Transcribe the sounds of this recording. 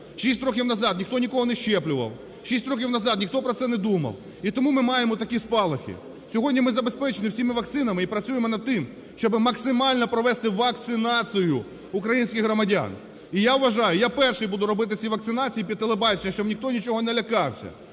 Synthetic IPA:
ʃʲisʲtʲrɔkʲiwnɐzɑd̪nʲixt̪ɔnʲikɔɦɔnɛʃt͡ʃɛplʲʊʋɐ̰w | ʃʲisʲtʲrɔkʲiwnɐzɑd̪nʲixt̪ɔpɾɔt̪sɛnɛd̪umɐ̰w | it̪ɔmumɪmɑjemɔt̪ɐkʲispɑlˠɐxʲḭ | sʲɔɦɔdʲnʲimɪzɐbespɛt͡ʃɪnɪwsʲimɪʋɐk̚t̪sɪnɐmɪipɾɐt͡sʲujemɔnɐd̪̚t̪ɪm | ʃt͡ʃɔbɪmɐksɪmɑlʲnɔpɾɔʋɛst̪ɪʋɐk̚t̪sɪnɑt͡sʲijʊ | ʊkɾɐjinʲsʲkʲɪxɦɾɔmɐdʲa̰n | ijaʋʋɐʒɑjʊjapɛrʃɪjbud̪ʊɾɔbɪt̪̬ɪt͡sʲiʋɐkt̪sɪnɑt͡sʲijipʲid̪̚t̪elˠebɑt͡ʃenʲɐʃt͡ʃɔbnʲixt̪ɔnʲit͡ʃɔɦɔnɛlʲɐkɑwsʲɐ̰

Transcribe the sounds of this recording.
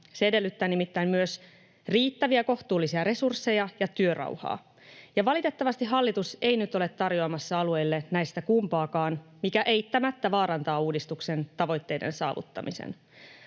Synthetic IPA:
seede̞lːyt̪ːæːnimit̪ːæimmyøs | riːt̪ːæʋiæko̞ht̪uːlːisiɑɾe̞sursːe̞jɑjɑt̪yørɑ̰uwhɑ̰ː | jɑʋɑlit̪e̞t̪ːɑʋɑst̪iɦɑlːit̪use̞jnyt̪o̞le̞t̪ːɑrjo̞ɑmɑsːɑɑlue̞jlːe̞næjst̪ækumpɑːkɑːnmikæʔejt̪ːæmæt̪ːæʋɑːɾɑnt̪ɑːuːdist̪ukse̞nt̪ɑʋo̞jt̪ːe̞jde̞̰nsɑ̰ːʋṵt̪ːɑ̰misḛn

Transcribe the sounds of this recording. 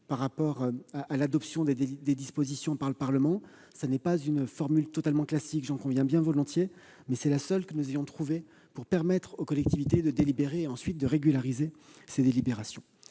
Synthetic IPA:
paʁːapɔʁaʔalad̪ɔpsjɔ̃d̪ed̪ed̪ispozisjɔ̃paʁləpaʁləmɑ̃ | sanɛpazynfɔʁmylt̪ɔt̪almɑ̃klasikʒɑ̃kɔ̃vjɛ̃bjɛ̃vɔlɔ̃t̪je | mɛsɛlasœlkənuzejɔ̃t̪χuve | puʁpɛʁmɛt̪χokɔlɛk̚t̪ivit̪ed̪əd̪elibeʁeːɑ̃sɥit̪̚d̪əʁeɡʲylaʁizesed̪elibeʁasjɔ̰̃

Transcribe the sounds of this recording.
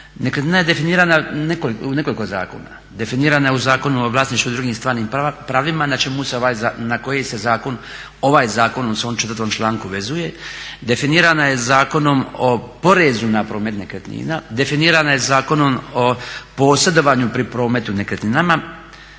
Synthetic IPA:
nekɾet̪niːnajed̪e̞finiːɾananekoliune̞ko̞likoza̰ːko̞̰na̰ | d̪e̞finiːɾanajeuzaːko̞nuoʋlaːsniʃt̪ud̪ɾuɡiːmst̪ʋaːɾniːmpɾaːʋimanat͡ʃe̞museoaːjzanako̞jejse̞zaːko̞n | o̞ʋaːjzaːko̞nomseomt͡ʃet̪əɾt̪ʋomt͡ʃlˠaːŋkuʋe̞zuje̞d̪e̞finiːɾanajezaːko̞no̞mopo̞ɾezunapɾo̞ːme̞t̪ne̞kɾet̪nḭːnad̪e̞finiːɾanaje̞zaːko̞no̞mopo̞ːse̞d̪o̞ʋaːɲupɾipɾo̞ːme̞t̪unekɾet̪ninama

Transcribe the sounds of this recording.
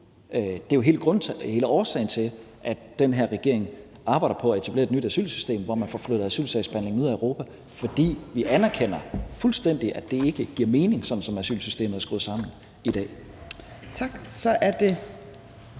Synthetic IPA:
d̥e̝joɦe̝ːləɡ̥ʁɔ̽nʰhe̝ːləɒːsɛ̰ɪn̩t͡sʰe̝l | ʔæ̥ | d̥enɦe̝ɐ̰ʁɛɡ̥e̝ɐ̰e̝ŋ | ʔɑ̈ːb̥ɑ̈ɪ̥ɐpʰɒ̽æe̝t͡sʰæb̥le̝ɐednyd̥æsy̰ːlsy̥sd̥e̝̰ːmʋɒmænfɒfløð̩ˠæsy̰ːlsɛɪsb̥ænle̝ŋnuð̰ˠæøʊʁo̝ːpʰæ | fɒ̽d̥ḭːʋiʔænæɐkʰen̰ɐfulsd̥en̰d̥iʔæd̥e̝e̝ɡ̥əɡ̥iɐ̰me̝ːne̝ŋsɒ̽d̥n̩sɒ̽mæsy̰ːlsysd̥e̝̰ːməð̩ˠæɐsɡ̥oð̩ˠsɑ̈m̰n̩ | id̥ɛ̰ː | t͡sʰɑ̈ɡ̥sɒ̽ʔæɐd̥e̝

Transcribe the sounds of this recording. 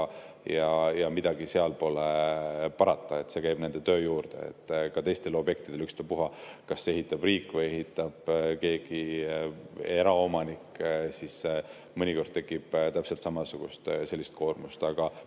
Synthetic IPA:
jɑjɑmid̪̥ɑɡ̥ise̞ɑlpo̞lepɑɾɑt̪ˑːɑe̞t̪ːse̞kæjb̥ne̞nd̪̥e̞t̪ø̞ːjuːrd̪̥e̞̰ḛt̪ːkɑt̪e̞jst̪e̞lo̞bje̞k̚t̪id̥̪eykst̪opuɦɑkɑsːee̞ɦit̪ːˑɑb̥riːkːˑvɤjeɦit̪ːˑɑb̥ke̞ːɡ̥i | e̞ɾɑo̞mɑnikːsise | mɯnʲiko̞rd̪̥̚t̪e̞kːˑib̥t̪æpse̞lt̪sɑmɑsuɡ̥ust̪se̞lʲːist̪̚kʰo̞ːrmust̪ɑɡ̥ɑ

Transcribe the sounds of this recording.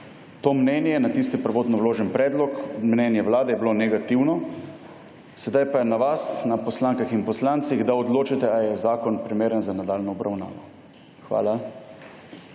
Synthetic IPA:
t̪oːmnɛnjɛɛnat̪ist̪ipəɾʋoːt̪nɔwloːʒɛnpɾɛːd̪lɔkmnɛnjɛʋlaːd̪ɛjɛblonɛɡat̪iwnɔ | sɛd̪ajpanaʋasnapɔslaːŋkaxinpɔslaːnt̪siɣd̪aɔd̪loːt͡ʃɛt̪ɛajɛzaːkɔnpɾimeːɾənzanad̪aːlnɔɔbɾawna̰ːʋɔ | xʋa̰ːla

